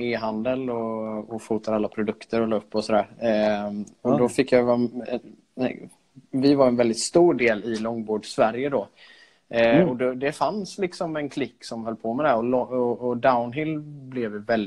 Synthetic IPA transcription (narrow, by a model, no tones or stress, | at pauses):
eːɦand̪əlɔɔfuːt̪aɾalːapʰɾʊd̪ɵkt̪ʰəɾɔlɑːɵpːɔsɔd̪æːɾ | ɔd̪ɔfɪkːjavaɛ̰ | vɪvaɾɛnvɛld̪ɪt̪st̪uːɖeːlɪlɔŋːbuːɖsvæɾjəd̪ɔ | ɔd̪ɛd̪ɛfanslɪksɔmɛnkʰlɪkːsɔmɦœlːpʰoːmɛd̪ɛɔlɔɔːd̪aʊnɦɪlblɛvjvɛl